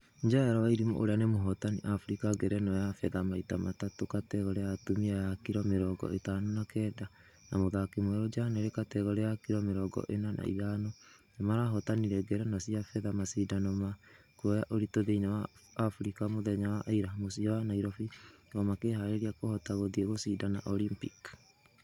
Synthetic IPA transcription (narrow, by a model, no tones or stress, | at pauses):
ɲd͡ʒajaɾawaiɾimɔ̰ʔoɾeanemoɦɔtaniʔafuɾikaɡɛɾɛnɔjafɛðamaitamatatokatɛɣɔɾɛjatumiajakiɾɔmeɾɔɡɔ̰etaːnonakɛːda | namoðakemwɛɾod͡ʒaneɾekatɛɣɔɾɛjakiɾɔmeɾɔɡɔ̰ʔenana̰ḭɣanɔnamaɾaɦɔtaniɾɛɡɛɾɛnasiafɛðamasidanɔma | kuɔjaʔoɾitoðeinawaːfuɾikamoðɛɲawaʔaiɾamosiɔwanaiɾɔfiɣɔmakeɦaeɾiakohɔtaɣoðieɣosidana̰ʔɔlimpik